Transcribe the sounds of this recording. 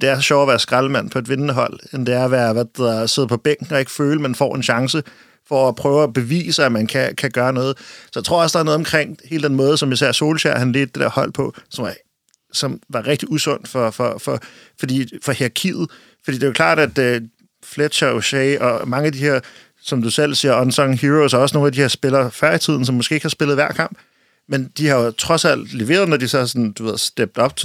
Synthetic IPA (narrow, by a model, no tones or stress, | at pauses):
d̥e̝æɐsɒɕɒʊɐʋæːɐsɡ̥ʁɑləmæn̰pʰɒe̝d̥ʋe̝nnəɦɒ̽l̰end̥e̝æɐɐʋæːɐʋæ̥e̝ð̰ˠɐse̝ð̞̰ˠpʰɒ̽b̥eŋ̰ɡ̥ŋ̩ɒ̽e̝ɡ̥əføːləmenfɒ̰ːe̝nɕɑ̈ŋsə | fɒ̽æpʰʁœːʊæb̥e̝ʋḭːsæmænkʰækʰæɡ̥ɶːɐnɔ̽ːð̞̩ˠsɒ̽jt͡sʰʁoɐɒ̽sd̥ɑ̈ɐnɔðˠɒmkʰʁeŋ̰he̝ːldə̥d̥enmɔ̽ːð̞̩ˠsɒ̽misæɐ̰so̝ːlɕæɐ̰hænleːd̥̩̚d̥ed̥ḛæ̰ɐ̰hɒ̽l̰pʰɒ̽sɒ̽mɑ̈ | sɒ̽mʋɑ̈ʁeɡ̥̚d̥iusɔ̽n̰d̥fɒ̽fɒfɒ̽ | fɒd̥ḭːfɒ̽heɐkʰið̩ˠ | fɒ̽d̥ḭːd̥e̝okʰlɑ̰̈ːdɾ̥æd̥ø | fled̥ɕɐoɕeɪʔɒ̽mɑ̈ŋəæd̥iheɐ̰ | sɒ̽md̥usel̰siːɐɒnsɒ̽ŋɦiʁosæɒ̽sno̝ːnæd̥iheɐsb̥e̝lɐfæɐit͡sʰið̞̰ˠn̩sɒ̽mːɔsɡ̥e̝̰ːeɡ̥hɑ̈sb̥e̝lð̩ˠʋæɐ̰kʰɑ̈m̰b̥ | mend̥ihɑ̈jo̝t͡sʰʁɒ̽sæl̰d̥le̝ʋe̝̰ːɐð̩ˠnɒdisɒhɑsɒ̽nn̩d̥uʋe̝ð̞̰ˠsd̥eb̥̚d̥ɒ̽b̥̚t͡sʰe